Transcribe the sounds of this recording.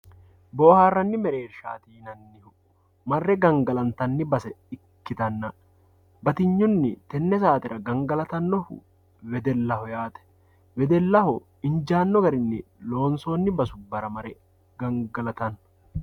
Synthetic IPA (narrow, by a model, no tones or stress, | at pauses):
boːhaːrːɐnːɪmɛɾeːɾʃa̰ːt̪iːnɐnːɪhʊ | mɐrːɛɡɐŋɡɐlɐnt̪ɐnːɪbɐsɛɪkːɪt̪ɐnːɐ | bɐt̪ɪɲːʊnːɪt̪ɛnːɛsaːt̪ɪɾɐɡɐŋɡɐlɐt̪ɐnːɔhʊ̰ | wɛd̪ɛlːɐhɔjaːt̪ɛ̥ | wɛd̪ɛlːɐhɔ | ɪɲd͡ʒaːnːɔɡɐɾɪnːɪ | lo̞ːnso̞ːnːɪbɐsʊbːɐɾɐmɐɾɛ | ɡɐŋɡɐlɐt̪ɐn